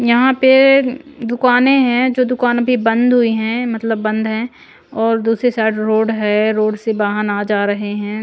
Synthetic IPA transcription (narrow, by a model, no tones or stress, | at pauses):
jɐɦãpe | d̪ʊkaːnẽɦɛ̃d͡ʒoːd̪ʊkaːnbʱibɐ̃nd̪ɦʊiɦɛ̃mɐt̪ləbːɐ̃nd̪ɦɛ̃ | ɔːɾd̪uːsɾesaːʈɾoːɖɦɛɾoːɖsebaːɦənaːd͡ʒaːɾɐɦeɦɛ̃ː